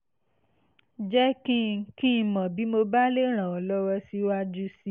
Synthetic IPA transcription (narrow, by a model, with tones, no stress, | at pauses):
d͡ʒɛ˦kĩ˦˨˧kĩ˦˧˨mɔ̃˨bi˨˦mo˧ba˦le˦ɾ̃ã˨ɔ˨lɔ˦ɾɔ˧si˦wa˧d͡ʒu˦si˧˦